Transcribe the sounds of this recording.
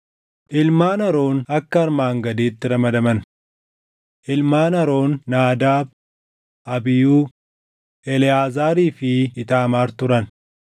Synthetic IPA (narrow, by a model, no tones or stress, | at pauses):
ʔɪlmaːnɐɾo̞ːnɐkːɐɐɾmaːŋɡɐd̪iːt̪ːɪɾɐmɐd̪ɐmɐn | ʔɪlmaːnɐɾo̞ːnːaːd̪aːb̚ | ʔɐbɪjuː | ʔɛlɪaːzaːɾiːfɪːt̪aːmaːɾt̪ʊɾɐn